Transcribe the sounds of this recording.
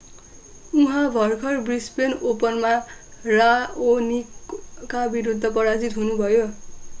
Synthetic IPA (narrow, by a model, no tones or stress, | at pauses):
uɦãbʱʌrkʰʌrbrispenopʌnmaraonikabiɾud̪ʱːʌpʌɾad͡zit̪ɦunubʱʌjo